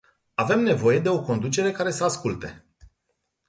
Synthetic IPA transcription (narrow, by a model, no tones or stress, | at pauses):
ave̞mne̞vo̞je̞d̪e̞o̞ko̞nd̪ut͡ʃe̞ɾe̞kaɾe̞səaskult̪e̞